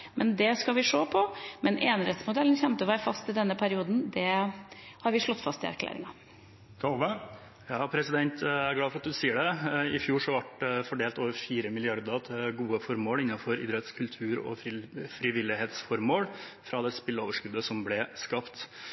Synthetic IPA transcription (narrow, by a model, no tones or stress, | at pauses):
mʔɛnd̪ɛskɑʋɪʂoːpʰɔmɛnʔeːnɾɛt̪smʊd̪ɛlːən̩çɛmt̪əʋæɪfɑst̪ɪld̪ɛnːəpʰæɾɪuːd̪n̩d̪ɛ | hɑɾʋɪʂlɔt̪ːfɑst̪ɪæ̰ɾkʰlæ̰ːɾɪ̰ŋɑ | t̪ʰoːʋə | jɑːpʰɾɛsɪd̪ɛnt̪æɾɡlɑːfɾɑt̪̚d̪ʉsiːəɖɛɪfjuːʂɔʋɑʈfɔɖeːlt̪oːʋəɾfiːɾəmɪlɪɑɾd̪ət̪ʰɡuːəfɔɾmoːlɪnːɑfɔɾɪ̰d̪ɾɛt̪skʰʉlt̪ʰʉːɾɔ̰fɾɪʋɪlːɪɦeːt̪sfɔɾmoːlfɾɑd̪ɛspɪlːəoːʋəʂkʉd̪əsɔmblɛskɑpt̪